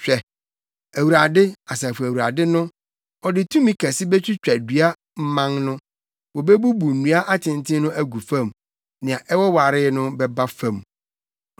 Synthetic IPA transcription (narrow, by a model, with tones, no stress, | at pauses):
ɕᶣɛ˨ | æ˨wu˨ɾa˨dɪ˦a˨sɛ˨fu˨æ˨wu˨ɾa˨dɪ˦nʊ̃˦ | ɔ˨dɪ˨tʰũ˦mĩ˦kʰæ˨sɪ˦bɛ˦t͡ɕʰᶣi˦t͡ɕᶣæ˨dɥa˦ | m̩˦mã˦ŋnʊ̃˦ | wɔ˨be˦bu˦bu˨n̩˨nũ˨a˦ʔa˦tʰɪ̃˨n˨tʰɪ̃˦nʊ̃˦ʔæ˦ɡu˨fã˦˨m | nɪ̃˨ã˨ʔɛ˦wɔ˦wa˨ɾɪ˦nʊ̃˦bɛ˦ba˦fã˦˨m